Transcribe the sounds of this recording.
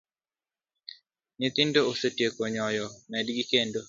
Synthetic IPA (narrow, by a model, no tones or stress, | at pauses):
nit̪indoosetjekoɲɔjɔmɛdɡikendo